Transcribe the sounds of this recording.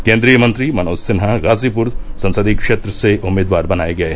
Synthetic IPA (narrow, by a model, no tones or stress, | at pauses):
keːnd̪ɾijɐmɐnt̪ɾimɐnoːsɪnɦɐɾaːzipuɾsɐ̃nsɐd̪ikʂeːt̪ɾɐseʔumeːd̪ʋaːɾbɐnaːjiɡɐe